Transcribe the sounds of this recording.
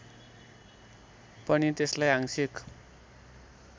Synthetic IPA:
pʌnit̪eslajɦaŋsik

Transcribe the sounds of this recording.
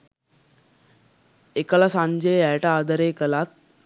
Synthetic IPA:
ekəlasãɲd͡ʒəjɛʈəad̪əɾeːkəlat̪̚

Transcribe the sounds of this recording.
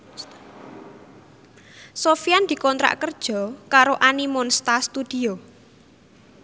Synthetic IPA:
sofijand̪̥i̤kɔnt̪ɾa̰ʔkərd̥ʒ̥ɔ̤kaɾoʔanimonst̪ast̪ud̪̥i̤o

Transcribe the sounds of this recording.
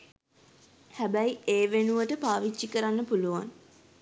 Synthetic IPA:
hæbæjeːʋenuʋəʈəpaːʋit͡ʃːikəɾanːəpuluʋa̰n

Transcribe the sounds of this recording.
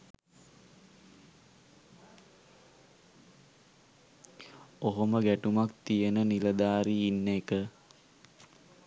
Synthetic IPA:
oɦoməɡæʈumak̚t̪ijənəniləd̪aːɾiːnːekə

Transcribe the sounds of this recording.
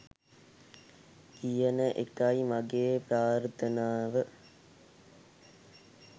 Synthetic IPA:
kijənəʔekɐimaɡeːpɾaːɾt̪ʰənaːʋə

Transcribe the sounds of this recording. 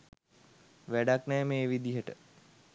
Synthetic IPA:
ʋæɖaknɛːmeːʋid̪iɦəʈə̰

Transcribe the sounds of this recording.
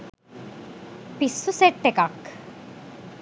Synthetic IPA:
pisːuseʈːekak

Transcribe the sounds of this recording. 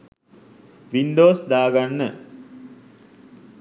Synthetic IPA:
ʋinɖoːsd̪aːɡanːə

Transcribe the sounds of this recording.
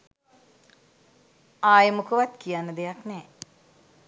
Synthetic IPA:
aːjəmukəʋat̪kijanːəd̪ejaknɛː

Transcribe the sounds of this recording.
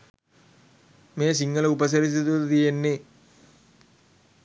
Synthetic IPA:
meːs̬iŋɡɐləupɐs̬ɐɾis̬it̪ut̪ɐt̪ijenːe

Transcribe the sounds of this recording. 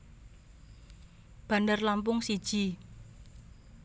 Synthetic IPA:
b̥a̤ndərlampʊŋsid̥ʒ̥i̤

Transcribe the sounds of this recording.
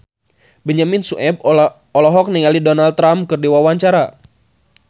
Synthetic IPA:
bɛɲaminsuʔɛb̚ | ɔlɔɦɔk̚niŋalidɔnalt̪ːɾamkɨrdiwawaɲt͡ʃaɾa

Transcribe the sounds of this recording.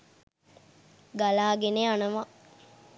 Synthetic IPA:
ɡalaːɡeneanəma

